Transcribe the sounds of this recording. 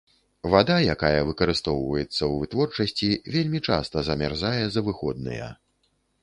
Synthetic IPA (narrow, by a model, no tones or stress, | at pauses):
vad̪ajakajɐvɨkɐɾɨst̪ɔwvɐjɛt̪sːɐwvɨt̪vɔrt͡ʂɐsʲt͡sʲivʲelʲmʲit͡ʂa̰st̪ɐzɐmʲarzajɛzɐvɨxɔd̪̚nɨ̰jɛ̰